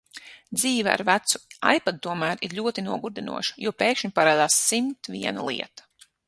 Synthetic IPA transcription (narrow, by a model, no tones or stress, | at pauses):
d̪ziːvɛa̰ɾvæt̪su̥a̰jpat̪̚t̪uɔmæːɾiɾʎʲuɔt̪inuɔɡuɾd̪inṵɔʃɐ̥juɔpeːkʃɲpaɾaːd̪aːsːimt̪vʲiɛna̰lˠḭɛt̪ḁ